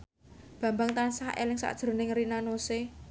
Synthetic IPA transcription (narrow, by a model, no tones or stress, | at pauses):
b̥ä̤mbaŋt̪ansahḛlɪŋsa̰d̥ʒ̥ɾo̤nɪŋrinanose